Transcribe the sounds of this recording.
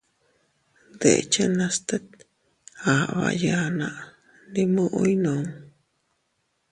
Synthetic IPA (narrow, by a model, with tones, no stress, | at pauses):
d̪ḛ˨t͡ʃa˦nã˧st̪e˦t̪ | ha˨βa̰˧ja˧nã˧ʔ | ndi˧mũ˦ʔo˦jnõ˨n